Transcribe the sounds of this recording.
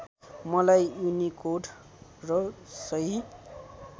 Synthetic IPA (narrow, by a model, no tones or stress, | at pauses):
mʌlajunikoɖ | rʌsʌi